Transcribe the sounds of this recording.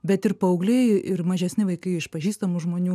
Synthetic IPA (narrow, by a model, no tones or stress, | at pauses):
bʲɛt̪ɪɾpɐʊɡlʲɛɪɪɾmɐʒʲɛsʲnʲɪʋɐɪkɐɪɪʃpɐʒʲiːst̪ɐmʊʒmoːnʲuː